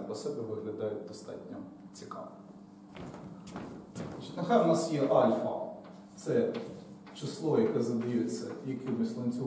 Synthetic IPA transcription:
pɔsɛbɛʋɪɦlʲɐd̪ɑjʊd̪ɔst̪ɑ̰tʲnʲɐ | t͡sʲikɑ̰ʋ | ɑt͡ʃi̥tʲnɐxɑjʋʊnɑsjɛʔɑlʲfɐ̰ | t̪sɛ | t͡ʃɪslˠɔjɐkɛzɐd̪ɐɪjɛet͡sʲːɐ̰jɐkʲɪmɪslˠɔnʲt͡sʲʊ

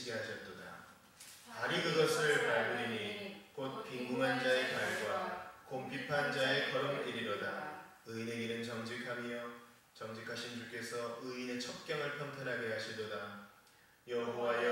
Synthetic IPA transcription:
iɡeɦaɕʰʌt̚t͈oda̰ | aɾikɯɡʌsʰɯɭpaɭɡuɾinikot̚piŋɡuŋɦand͡ʑae̞kaɭɡwakompʰipʰand͡ʑae̞kʌɾʌmk͈iɾiɾoda | ɯineɡenɯnt͡ɕʌŋd͡ʑikʰamijʌ | t͡ɕʌŋd͡ʑikʰaɕʰind͡ʑuk͈e̞sʰʌɯine̞t͡ɕʰʌk̚k͈jʌŋɯɭpʰjʌntʰanɦaɡeɦaɕʰidoda | jʌbowajʌ

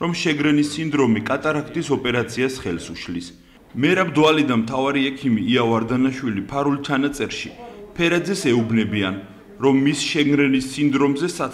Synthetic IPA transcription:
ɾɔmʃɛɡɾɛnisːind̪ɾɔmikʼat̪ʼaɾakʰt̪ʰʼisɔpʼɛɾat̪sʰiasχɛlsuʃlis | mɛɾabd̪ɔalid̪anmt̪ʰavaɾiɛkʰimiːawaɾd̪anaʃwilipʰaɾulˠt͡ʃʰanat̪sʼɛɾʃipʰɛɾad̪zɛsɛubnɛbian | ɾɔmːisʃɛɡɾɛnisːind̪ɾɔmzɛsa

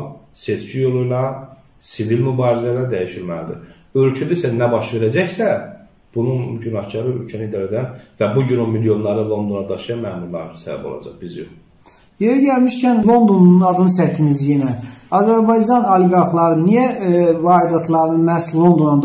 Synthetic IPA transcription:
se̞t͡ʃʰcijo̞lˠujlˠɑ | sivilmybɑːɾizælæɾd̪æjiʃilmælid̪i | ølcʰæd̪isænæbɑʃve̞ɾæd͡ʒæçsæ | b̥ununɟynɑhcʰɑɾɯølcʰænid̪ælæd̪ænvæbuɟynomiljo̞nlˠɑɾɯlˠo̞nd̪o̞nɑd̪ɑʃɯjɑmæːmuɾlˠɑ̰ɾnsæbæ̰bo̞lˠɑ̰d͡ʒɑ̰χb̥izijo̰χ | jeɾiɟælmiʃcʰænlˠo̞nd̪onunɑd̪ɯnɯsæt̪ʰinizjenæɑzæɾbɑjd͡ʒɑnɑleɡɑɾxlˠɑɾɯnijævɑːid̪ɑt̪ʰlˠɑɾnɯmæslˠo̞nd̪o̞nɑn

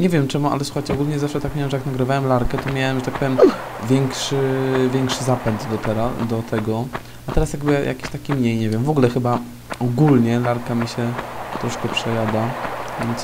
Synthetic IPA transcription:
ɲɛvʲjɛmt͡ʂɛmuʔa̰lɛswu̥xajt͡ɕɛɔɡulɲɛzafʂɛt̪ak̚mʲawɛmʐɛjaknaɡɾɘvawɛmlaɾkɛt̪ɔmʲjawɛmʐɛt̪ak̚pɔvʲjɛm | vʲjɛŋkʂɘvʲjɛŋkʂɘzapɛnt̪d̪ɔt̪ɛɾad̪ɔt̪ʰɛɡɔ | at̪ɛɾasjaɡ̚bɘja̰kʲi̥ɕt̪akʲimɲejɲɛvjɛmvɔɡulɛxɘba | ɔɡulɲɛlaɾkamʲiɕɛt̪ɾɔʂkɛpʂɛjad̪avʲjɛnt̪s

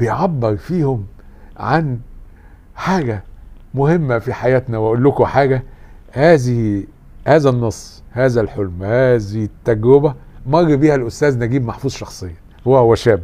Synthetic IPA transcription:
bejʕabːeɾfiːhʊm | ʕan | ħaːɡæ | mʊhemːæfiħajæːt̪næweʔolːʊkʊħaːɡæ | hæːzɪh | hæːzænːɑsˤː | hæːzælħolmhæːziht̪ːæɡɾobæmɑɣːibiːhælʔʊst̪æːznæɡiːbmaħfuːzˤʃɑxsˤejːɑ | howːæhowːæʃæːb

